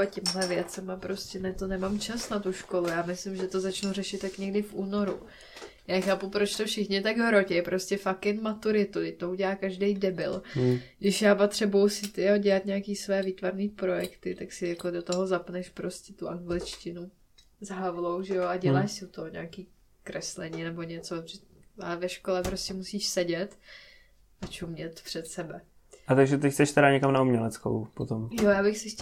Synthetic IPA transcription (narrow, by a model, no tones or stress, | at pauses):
acɛmɦlɛvjɛt͡sɛmapɾoscʲɛnɛt̪onɛmamt͡ʃasnat̪uʃko̞lujaːmɪslɪmʒɛt̪o̞zat͡ʃnurɛʃɪt̪jakɲɛɡdɪfʔuːno̞ɾu | jaːxaːpupɾot͡ʃt̪ofʃɪxɲɪt̪aɡɦɾocɛjpɾoscɛfakɪnmat̪uɾɪt̪ud̪ɛct̪ouɟɛlaːkaʒdɛjdɛbɪ̰lɡdɪʃjaːpat̪r̝̥ɛbujusɪt̪joɟɛlat̪ɲaakiːsvɛːviːt̪vaɾniːpɾo̞jɛkt̪ɪt̪aksɪjakodot̪oɦozapnɛʃpɾo̞scʲɛt̪uʔaŋɡlɪt͡ʃcɪnu | zaɦavlo̞wʒɛjoaɟɛlaːʃsɪut̪oɦoɲaːkiː | kɾɛslɛɲiːnɛbo̞ɲɛt͡soʒɛalɛvɛʃkolɛpɾoscɛmusiːʃsɛɟɛt̪ | ʔat͡ʃumɲɛt̪pr̥ɛt̪sɛbɛ | ʔat̪aɡʒɛt̪̬ɛcxt͡sɛʃt̪ɛɾaɲɛkamnaumɲɛlɛt͡sko̰wpot̪omjojaːbɪxsɪx